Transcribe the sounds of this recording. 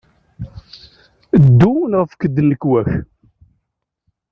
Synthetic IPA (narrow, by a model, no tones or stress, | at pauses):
əd̪ːunʁəfkəd̪ːənːəkːwæç